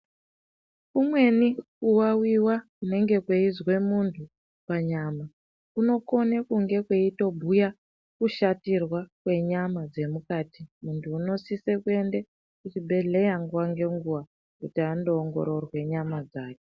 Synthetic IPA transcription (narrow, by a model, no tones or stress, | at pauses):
kumwe̞nikuwawiwakune̞ŋɡe̞kweizwe̞muntʰu | paɲama | kuno̞ko̞nekuŋɡe̞kweito̞bʱuja | kuʃatirwakwe̞ɲamad͡ze̞mukaːtimuntʰuːno̞sisekue̞nde | kut͡ʃibʱe̞ɮe̞jaŋɡuwaŋɡe̞ŋɡuwa | kutiandoːŋɡo̞̰ɾo̞rwe̞ɲamad͡zaːke